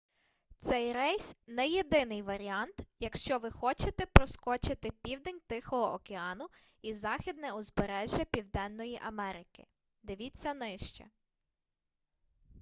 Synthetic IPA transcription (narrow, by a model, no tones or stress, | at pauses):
t̪sɛjɾɛjsʲnɛjed̪ɪnɪjʋɐɾʲiɑnt̪jɐkʃt͡ʃɔʋɪxɔt͡ʃɪt̪ɛpɾɔskɔt͡ʃɪt̪ɪpʲiwd̪enʲt̪ɪxɔɦɔʔɔkeɑnʊ | izɑxʲid̪nɛʊzbeɾɛʒʲjɐpʲiwd̪ɛnːɔjiʔɐmɛɾɪkɪ̰ | d̪ɪʋʲit͡sʲːɐnɪʃt͡ʃɛ̰